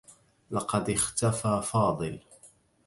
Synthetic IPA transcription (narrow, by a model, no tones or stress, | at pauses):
lɑqɑd̪ɪxt̪afaːfɑːd̪ˤɨl